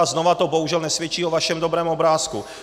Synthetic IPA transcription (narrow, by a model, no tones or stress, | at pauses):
znovat̪o̞boɦuʒɛlnɛsvjɛt͡ʃiːo̞vaʃɛmdobɾɛːmʔo̞bɾaːsku